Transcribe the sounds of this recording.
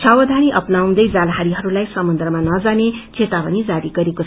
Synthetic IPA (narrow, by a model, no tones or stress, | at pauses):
t͡ʃʰʌwʌd̪ʱaniʔʌpnaũd̪ʌjd͡zalɦaɾiɦʌɾulajsʌmʌnd̪rʌmanʌd͡zanet͡sʰet̪abʌnid͡zaɾiɡʌɾeko